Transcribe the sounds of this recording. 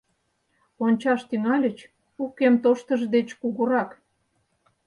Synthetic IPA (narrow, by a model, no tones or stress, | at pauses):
onʲt͡ɕɑʃt̪yŋɑlʲət͡ɕ | ukːemt̪oʃt̪əʒd̪et͡ɕkuɣuɾɑk